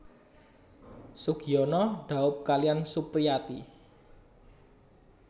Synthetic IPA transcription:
suɡ̥i̤ɔnɔɖ̥a̤ʊp̚kaliansupɾiat̪i

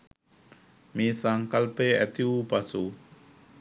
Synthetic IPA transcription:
misaŋkalpeɛt̪iupasu

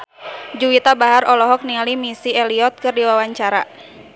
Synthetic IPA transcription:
d͡ʒuwit̪abaɦaɾɔlɔɦɔk̚nialimisiɛliɔt̪̚kɨrdiwawaɲt͡ʃaɾa̰

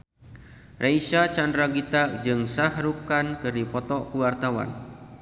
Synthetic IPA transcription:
rʔeisat͡ʃandɾaɡit̪ak̚d͡ʒɨŋsahɾukankɨɾipɔt̪ɔʔkuwart̪awa̰n

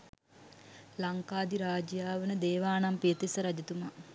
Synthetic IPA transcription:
laŋkaːd̪iɾaːd͡ʒjaːʋənəd̪eːʋaːnampiət̪isəɾad͡ʒɐt̪uma

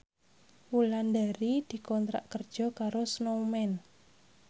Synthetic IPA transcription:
wuland̪aɾid̪̥i̤kɔnt̪ɾa̰ʔkərd̥ʒ̥ɔ̤kaɾosnomɛn

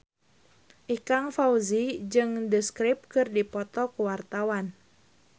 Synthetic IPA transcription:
ʔikaŋfauzid͡ʒɨŋdəskɾip̚kɨrdipɔt̪ɔkuwart̪awan

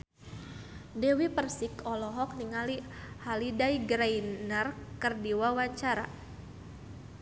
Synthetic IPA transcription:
dɛwipərsɪkɔlɔɦɔk̚niŋalihalidajɡɾajnərkərdiwawaɲt͡ʃaɾa

